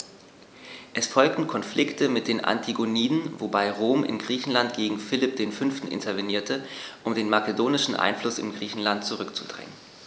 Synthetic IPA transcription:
ʔɛsfɔlk̚tn̩kʰɔnflʔɪktʰəmɪt̚d̥eːnʔa̰ntʰiɡoniːdn̩vobaɪʁoːmʔɪ̰nɡʁiːçn̩lantɡ̥eːɡŋ̩fɪlɪp̚d̥eːnfʏnftn̩ʔɪ̰ntʰɐveniːɐtʰəʔʊmdeːnmakedoːnɪʃn̩ʔa̰ɪnflʊsɪ̰mɡʁiːçn̩lantt͡suʁʏkt͡su̥d̥ʁɛ̰ŋən

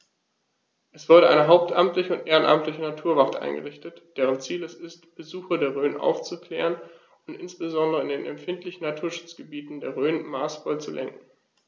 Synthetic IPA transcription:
ʔɛsv̥ʊɐɾəʔaɪnəɦaʊp̚tʰʔamtlɪçəʊntʔeːʁənʔa̰mtlɪçənatʰuːɐvatʔa̰ɪnɡə̰ʁ̞ɪçtətd̥eːʁ̞ənt͡siːlɛsɪstb̥əzuːxɐdeːɐʁøːnʔa̰ʊft͡sukl̥ɛːʁən | ʊntɪnsb̥əzɔndəʁəɪndeːnɛ̰mfɪntlɪçn̩natʰuːɐʃʊ̥t͡sɡ̥əbiːtn̩deːɐʁøːnmaːsfɔlt͡sulʔɛ̰ŋkŋ̩

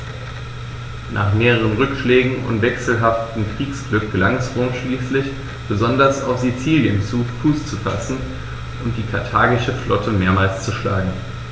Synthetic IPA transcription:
nʔa̰ːχmeːʁəʁ̞ənʁʏkʃlɛːɡŋ̩ʊ̰ntv̥ɛksl̩ɦaftm̩kʁ̥iːksɡ̥lʏk̚ɡ̥əlaŋɛsomʃliːslɪç | b̥əzɔndɐsa̰ʊfz̥it͡siːljənt͡suːfuːst͡sufa̰sn̩ | ʔʊnt̚d̥iːkʰaɐtʰaːɡɪʃəflɔtʰəmeːɐmaːlst͡suʃlaːɡŋ̩

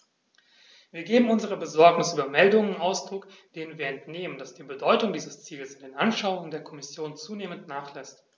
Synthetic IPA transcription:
v̥iːɐɡeːbm̩ʊnzəʁ̞əbəzɔɐknɪsʔyːbɐmɛldʊŋənɪnʔaʊsd̥ʁʊk | d̥eːnənviːɐɛntneːmənd̥asd̥iːbədɔʏtʊŋdiːzəst͡siːləsɪndeːnʔanʃaʊʊŋəndeːɐkʰɔmɪsjoːnt͡suːneːməntnaːχlɛst

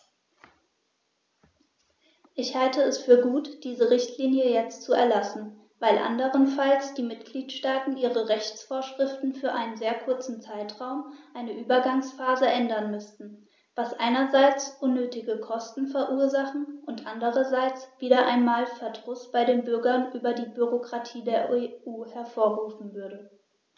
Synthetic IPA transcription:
ʔɪçhaltəɛsfyːɐɡuːtd̥iːzəʁɪçtʰliːnjəjɛt͡stt͡suɛ̰ɐlasn̩ | vaɪlʔa̰ndəʁənfalsd̥iːmɪtɡ̥liːtʃtaːtn̩ʔiːʁəʁɛçt͡sfoːɐʃʁ̥ɪftn̩fyːɐʔaɪnənzeːɐkʰʊɐt͡sn̩t͡saɪtʁ̥aʊmʔaɪnəʔyːbɐɡaŋsfaːzəʔɛndɐnmʏstn̩ | v̥asʔa̰ɪnɐzaɪt͡sʔʊnːøːtɪɡəkʰɔstn̩fɛɐʔuːɐzaχn̩ʔʊntʔandəʁɐzaɪt͡sv̥iːɾɐʔa̰ɪnmaːlfɛɐdʁʊsb̥aɪdeːnbʏɐɡɐnʔyːbɐdiːbyʁokʁ̥atʰiːdeːɐʔeʔuːhɛɐfoːɐʁuːfn̩vʏɐɾə

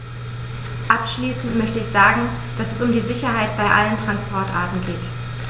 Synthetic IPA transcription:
ʔapʃliːsn̩tmœçtəɪçz̥aːɡŋ̩ | d̥asɛsʊmdiːzɪçɐɦaɪtb̥aɪʔa̰ləntʁ̥anspɔɐtʔa̰ɐtn̩ɡeːt

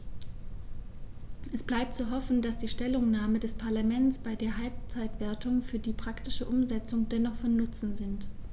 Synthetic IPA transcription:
ʔɛsb̥laɪp̚tt͡suɦɔfn̩d̥asd̥iːʃtɛlʊŋnaːmədɛspʰaɐlamɛnsb̥aɪdeːɐɦalp̚t͡saɪtv̥eːɐtʰʊŋfyːɐdiːpʁ̥aktɪʃəʔʊmzɛt͡sʊŋdɛnɔχfɔnːʊt͡sn̩zɪnt

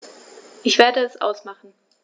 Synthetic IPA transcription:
ʔɪçv̥eːɐdəɛsʔa̰ʊsmaχn̩

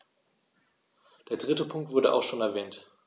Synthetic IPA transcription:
d̥eːɐd̥ʁɪtəpʰʊŋk̚tv̥ʊɐɾə̰ʔa̰ʊxʃoːnɛɐvɛːnt

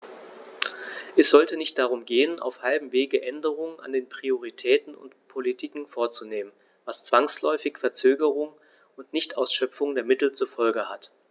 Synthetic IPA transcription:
ʔɛsz̥ɔltənɪçt̚d̥aʁ̞ʊmɡeːənʔa̰ʊfhalbm̩veːɡəʔɛndəʁ̞ʊŋəna̰ndeːnpʁ̥ioʁ̞itʰɛːtn̩ʊ̰ntpʰolitʰiːkŋ̩foːɐt͡suneːmən | vast͡sv̥aŋslɔʏfɪçfɛɐt͡søːɡəʁ̞ʊŋ | ʊntnɪçtʔaʊsʃœpfʊŋdeːɐmɪtl̩t͡suɐfɔlɡəhat

